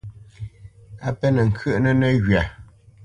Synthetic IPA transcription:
a˦pɛ˦nɛ˨ŋ̩˨kʰə˦ʔnə˦nɛ˦ɣɥa˨

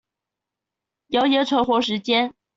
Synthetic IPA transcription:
jɑ˧˥ʊjɛ˧˥ʈ͡ʂʰwɤ˧˥xwɔ˧˥ʂ̬ɻ̩˧˥t͡ɕjɛ˥n

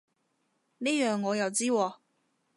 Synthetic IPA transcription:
neː˥jœː˨˩ŋːɔː˨˧jɐ˨˩wt͡siː˥wɔː˨˧

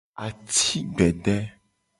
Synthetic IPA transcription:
a˨t̪i˦ɡ͡bɛ˨ɖɛ˦

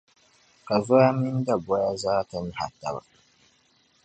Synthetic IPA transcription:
ka˨zoː˦ja˦mɪ˦nda˨bɔ˦ja˦zaː˦ta˨ɲi˦ha̰˨tːa̰˨ba̰˨

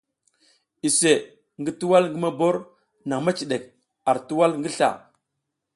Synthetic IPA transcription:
i˨se˨ | ŋɡə˦tu˦wa˦lŋɡə˦ma˦bo˦ɾ | na˨ŋma˦t͡ʃi˨ɗe˨k̚ | a˨ɾtu˦wa˦lŋɡə˦ɬa̰˨

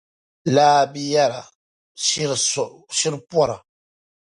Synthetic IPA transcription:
laː˦bi˦ja˦la˨˦ | ɾʃi˦ɾpwɔ˦ɾa˨

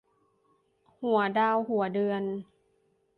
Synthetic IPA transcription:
hu˩˦ɐdaː˧whu˩˦ɐdɯ˧ən

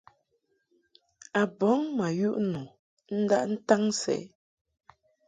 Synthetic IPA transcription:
a˨bɔ˨˦ŋma˨ju˦ʔnu˨ | n̩˦da˦ʔn̩˦ta˦ŋsɛ̰˨˦

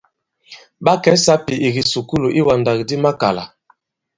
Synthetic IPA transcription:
ba˦kɛ˨˦sa˦pi˨ʔi˨ɡi˨su˨ku˦lu˨ʔi˦wa˨nda˨ɡi˨di˦ma˦ka˨la̰˨

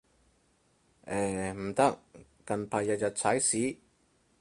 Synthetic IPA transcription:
ʔɛː˨˩m̩˨˩t̪ɐ˥k̚kɐ˨npʰaː˨jɐ˨t̚jɐ˨t̚t͡sʰɐ˨˥jsiː˨˥

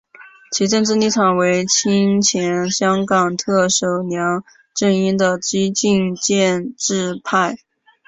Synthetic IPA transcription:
t͡ɕʰi˧˥ʈ͡ʂə˥˧ŋʈ͡ʂ̩˥˧ni˥˩t̪ʰwa˨˩nwe˧˥ɪt͡ɕʰi˥nt͡ɕʰjɛ˧˥nɕjɑ˥ŋkɑ˨˩ŋt̪ʰɤ˥˩ʂo˨˩ʊnjɑ˧˥ŋ | ʈ͡ʂə˥˩ŋi˥nd̪ə˨t͡ɕi˥t͡ɕi˥˧nt͡ɕjɛ˥˧nʈ͡ʂɻ̩˥˧pʰa˥˩ɪ

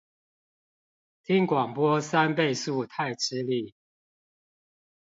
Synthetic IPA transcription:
t̪ʰi˦˥ŋkwɑ˨˩ŋpwɔ˥˦sa˦npe˥˧ɪsu˥˨t̪ʰa˥˨ɪʈ͡ʂ̩˥li˥˨˩

